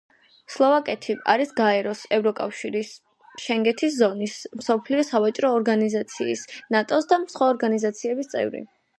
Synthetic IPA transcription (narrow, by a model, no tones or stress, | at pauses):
slˠɔvakʼɛt̪ʰia̰ɾisɡaɛɾɔsɛvɾɔkʼa̰fʃiɾis | ʃɛŋɡɛt̪ʰiszɔnismsɔpʰliɔsavat͡ʃʼɾɔːɾɡanizat̪sʰḭːsnat̪ʼɔsd̪amsχwaɔɾɡanizat̪sʰiɛbist̪sʼɛ̰vɾḭ